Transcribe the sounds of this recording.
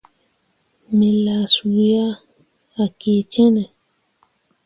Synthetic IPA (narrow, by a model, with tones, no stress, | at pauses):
mẽ˨la˨su˨ja˦ | a˨ke˨t͡ʃɛ̃˦nɛ̃˨